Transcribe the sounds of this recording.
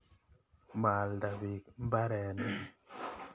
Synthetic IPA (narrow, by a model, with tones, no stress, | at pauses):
ma˨lda˨bi˨km̩˦ba˦ɾɛ˨nɛ˦